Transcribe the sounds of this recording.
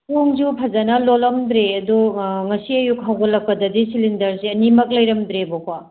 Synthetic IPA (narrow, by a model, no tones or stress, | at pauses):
poŋd͡ʒupʰɐzanɐlolɐmd̪ɾeɐduŋɐsiɐjuk̚ɦawɡolːɐk̚pɐdɐdisilindɐɾseɐnimɐk̚lɐjɾɐmd̪ɾeboka